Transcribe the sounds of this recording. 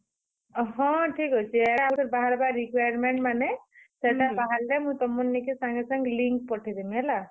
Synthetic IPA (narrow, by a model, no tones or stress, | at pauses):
ɦɔ̃ʈʰikɦojsʰiɛaʈʰɔɾbaɦaɾbaɾikwajaɾmɛɳʈ̚manɛsɛʈabaɦallɛmʊ̃t̪ɔmunːikisaŋɡɛsaŋɡliŋk̚pɔʈʰid̪imɛla